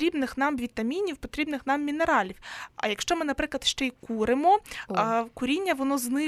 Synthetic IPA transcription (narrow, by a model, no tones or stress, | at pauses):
ɾʲibnɪxnɑmʋʲit̪ɐmʲinʲiwpɔt̪ɾʲibnɪxnɑmːʲineɾɑlʲiwɐ̰jɐkʃt͡ʃɔmɪnɐpɾɪklˠɐd̪ʃt͡ʃɛikuɾɪmɔ | kʊɾʲinʲːɐʋɔnɔznɪ